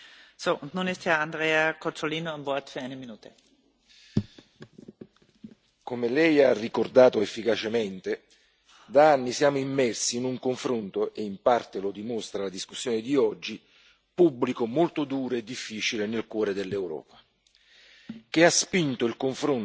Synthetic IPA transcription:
soːʔʊnt̪nuːnɪst̪hɛɐand̪ʁeːakot͡soliːnoanvɔɐt̪fyɐʁaɪneminuːt̪e | komelɛjarːikord̪aːt̪oefːikat͡ʃement̪e | d̪aanːisjaːmoimːɛrsiːnuŋkoɱfɾont̪oʔeimpart̪elod̪imost̪ɾalad̪iskusːjɔːned̪iɔd͡ʒːi | pubːlikomolt̪od̪uːɾoed̪ːifːiːt͡ʃilenelkwɔːɾed̪elːewɾɔ̰ːpa | k̟easpint̪oilkoɱfɾon

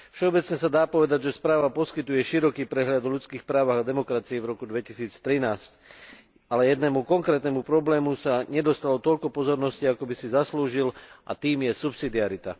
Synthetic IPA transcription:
fʃɛɔbɛt͡sɲɛsad̪aːpɔʋɛd̪aɟʒɛspɾaːʋapɔskit̪ujɛʃiɾɔkiːpɾɛɦʎad̪ɔʎut͡skiːxpɾaːʋaɣad̪ɛmɔkɾat͡siivɾɔkud̪ʋɛcisiːt͡st̪ɾinaːsc | alɛjɛd̪nɛmukɔŋkɾɛːt̪nɛmupɾɔblɛːmusaɲɛd̪ɔst̪alɔt̪ɔʎkɔpɔzɔɾnɔsciakɔbisizasluːʒilʔa̰t̪iːmjɛsupsid̪iaɾit̪a

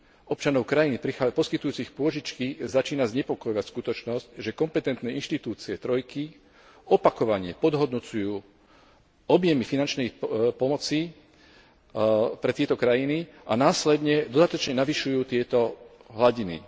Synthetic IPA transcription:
ʔɔp̚t͡ʃanɔʊkɾajinipɾixapɔskit̪ujuːt͡sixpʊɔʒit͡ʃkizat͡ʃiːnazɲɛpɔkɔjɔʋacskut̪ɔt͡ʃnɔscʒɛkɔmpɛt̪ɛnt̪nɛːinʃt̪it̪uːt͡siɛt̪ɾɔjki | ɔpakɔʋaɲɪɛpɔd̪ɦɔd̪nɔt͡sujuː | ɔbjɛmifinant͡ʃnɛjpɔmɔt͡si | pɾɛt̪ɪɛt̪ɔkɾajiniʔanaːslɛd̪ɲɛd̪ɔd̪at̪ɔt͡ʃɲɛnaʋiʃujuːt̪ɪɛt̪ɔɦlaɟinḭ

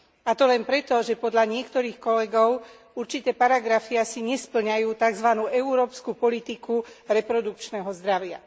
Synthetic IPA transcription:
at̪ɔlɛnpɾɛt̪ɔʒɛpɔd̪ʎaɲɪɛkt̪ɔɾiːxkɔlɛɡɔʊ | uɾt͡ʃit̪ɛːpaɾaɡɾafiasiɲɛspl̩ɲajuːt̪aɡzʋanuːʔɛuɾɔːpskupɔlit̪ikuɾɛpɾɔd̪uk̚t͡ʃnɛɦɔzd̪ɾaʋɪa̰

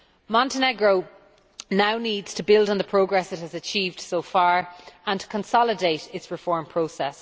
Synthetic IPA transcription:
mɑ̃ntənɛɡɹoʊ | naʊniːdz̥tʰəbɪlˠdn̩ðəpʰɹ̥oʊɡɹɛsɪt̚həzət͡ʃʰiːvd̥soʊfaːɹə̃ntʰə̥kʰə̃nsɒlɪdeɪtɪtsɹɪfɔːɹmpʰɹ̥oʊsɛs

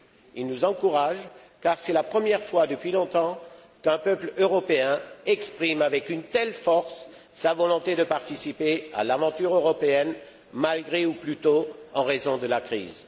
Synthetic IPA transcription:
ilnuzɑ̃kuʁaʒ | kaʁsɛlapχəmjɛʁfwad̪əpɥilɔ̃t̪ɑ̃ | kɛ̃pœpløʁɔpeɛ̃ɛkspχimavɛkynt̪ɛlfɔʁsː | avɔlɔ̃t̪ed̪əpaʁt̪isipea̰lavɑ̃t̪yʁøʁɔpeɛn | malɡʁeuplyt̪oɑ̃ʁezɔ̃d̪əlakχḭːz

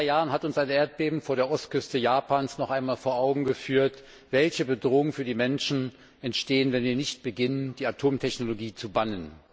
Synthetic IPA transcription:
aɪjaːʁənɦatʊnsʔaɪnʔeːɐt̚b̥eːbm̩foːɐɾeːɐʔɔst̚kʰʏstəjaːpʰaːnsnɔχʔaɪnmaːlfoːɐʔaʊɡŋ̩ɡəfyːɐt | v̥ɛlçəbədʁoːʊŋfyːɐdiːmɛnʃn̩ | ʔɛntʃteːənvɛnviːɐnɪçt̚b̥əɡɪnənd̥iːatʰoːmtʰɛçnoloɡiːt͡subanən

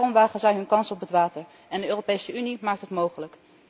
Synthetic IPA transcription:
rɔmʋaːχənzɛjɦɵnkɑnsɔpətʋaːtəɹ | ɛndəøːropejsəynimaːk̚tɦətmowχələk

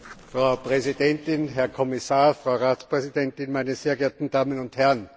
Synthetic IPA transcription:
fʁaʊpʁɛzid̥ɛntɪnɦɛɐkʰɔmɪsaːfʁ̥aʊʁaːtspʁɛzidɛntɪnmæɪnəseːɐɡɛɐtn̩d̥aːmənʊnthɛɐn

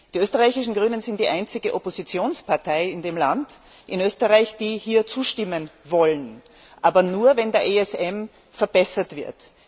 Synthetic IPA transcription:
d̥iːʔøːstəʁaɪçɪʃn̩ɡʁyːnənzɪnt̚d̥iːʔaɪnt͡sɪɡəʔopozit͡sjoːnspʰaɐtʰaɪɪndeːmlant | ʔɪnøːstəʁaɪçd̥iːhiːɐt͡suːʃtɪmənvɔlən | ʔaːbɐnuːɐvɛndeːɐʔeɛsɛm | fɛɐbɛsɐtv̥ɪɐt

